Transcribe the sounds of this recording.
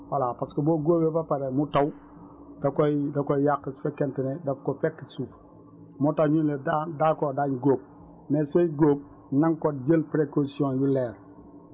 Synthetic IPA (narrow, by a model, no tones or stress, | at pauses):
walapaskeboɡoːbebapaɾemutaw | dakoidakoijakːsfekentinedafkofekːisuf | mutawɲunledadakodaɲɡoːb̚ | nesoiɡoːp̚ | naŋkod͡ʒelpɾekosiõnjuleːɾ